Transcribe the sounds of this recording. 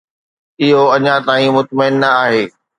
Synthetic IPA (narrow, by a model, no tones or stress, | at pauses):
ɪɦoɐɲãt̪aːĩmʊt̪məɪnːɐaːɦeː